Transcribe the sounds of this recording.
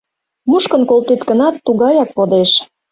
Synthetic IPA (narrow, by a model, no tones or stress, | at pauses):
muʃkə̆nkolˠt̪et̪kə̆nɑt̪ːuɣɑjɑkpod̪eʃ